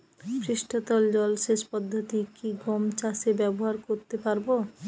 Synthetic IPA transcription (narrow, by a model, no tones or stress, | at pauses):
pɾiʃʈʰot̪ɔld͡ʑɔlʃeʃpɔd̪ʱːot̪ikiɡɔmt͡ɕaʃebɛboɦaɾkoɾt̪epaɾbo